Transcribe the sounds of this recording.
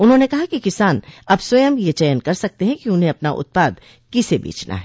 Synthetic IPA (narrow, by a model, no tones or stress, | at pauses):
ʊnɦõnekɐɦakikɪsaːnɐbswɐjəmjet͡ʃɛjənkɐɾsɐk̚t̪eɦɛ̃kiʊnɦẽɐpna̰ʔʊ̰t̪̚paːd̪ | kisebḭːt͡ʃnʔa̰ɦɛ